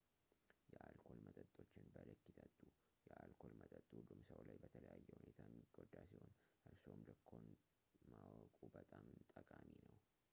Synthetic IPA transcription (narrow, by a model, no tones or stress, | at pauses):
jɛʔalkʰo̞lmət̪ʼət̪ʼo̞t͡ʃːɪnbəlɨkːit̪ʰət̪ʼːu | jɛʔalkʰo̞lmət̪ʼət̪ʼːhulːumsəwlajbət̪ʰələjajːɛhunet̪ʰamːiɡod̪asiho̞nʔɨɾso̞md̪ɨkʰːo̞n | mawkʼubət̪ʼamt̪ʼəkʼaminəw